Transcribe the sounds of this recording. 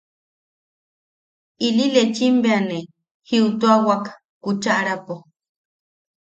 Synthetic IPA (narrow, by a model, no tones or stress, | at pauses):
ililet͡ʃimbeane | hiut̪uawakḁ | kut͡ʃaʔɾapo